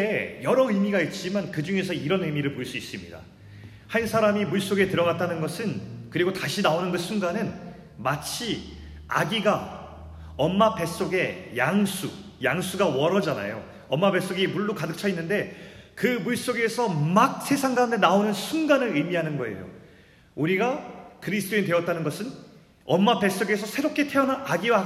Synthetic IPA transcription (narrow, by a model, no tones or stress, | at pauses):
ejʌɾʌɯmiɡait̚t͡ɕ͈imankɯd͡ʑuŋe̞sʰʌiɾʌnɯmiɾɯɭpoiɭs͈uis͈ɯmɲida̰ | hansʰaɾamimuɭs͈oɡe̞tɯɾʌɡat͈anɯnɡʌsʰɯnkɯɾiɡotaɕʰinaonɯnɡɯsʰuŋɡanɯn | mat͡ɕʰi | a̰ɡiɡa | ʌmːape̞s͈oɡe̞jaŋsʰu | jaŋsʰuɡawʌɾʌd͡ʑana̰jo | ʌmːabe̞s͈oɡimuɭːukadɯk̚t͡ɕʰʌinːɯnde̞kɯmuɭs͈oɡe̞sʰʌmak̚sʰe̞sʰaŋɡaunde̞naonɯnsʰunɡanɯɾɯmiɦanɯnɡʌe̞̰jo̰ | uɾiɡakɯɾisʰt͈oinidwe̞ʌt͈anɯnɡʌsʰɯn | ʌmːape̞s͈oɡe̞sʰʌsʰe̞ɾop̚k͈e̞tʰe̞ʌnaaɡiwa